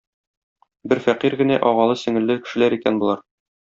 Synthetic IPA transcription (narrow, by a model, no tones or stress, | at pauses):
bɘɾfæqiɾɡɘ̆næʔɒʁɑlˠɤsɘ̆ŋɘ̆lːɘkɘ̆ʃɘ̆læɾikænbulˠɑɾ